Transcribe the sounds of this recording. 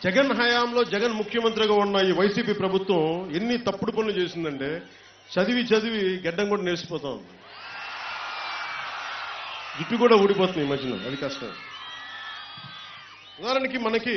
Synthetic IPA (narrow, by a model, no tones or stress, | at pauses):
d͡ʒɛɡɐnɦɐjaːmlo̞ːd͡ʒɛɡɐnmukʰjɐmɐnt̪ɾiɡaːunːaːjiʋɐjsiːpiːpɾɐbʱut̪ʋɐ̃menːit̪ɐpːuɽuponːit͡ʃe̞ːsind̪ɐɳʈeː | t͡ʃɐd̪iʋit͡ʃɐd̪iʋiɡɛɖːɐŋkuːɽaːnelsi̥pɔːt̪aːṵnd̪i | ɡiʈːukuːɽaːuːɽipɔːt̪̬und̪iːmɐd͡ʒɐnɐ̰ɐd̪ikɐsʈɐ̰ | ud̪aːɾɐnikimɐnɐki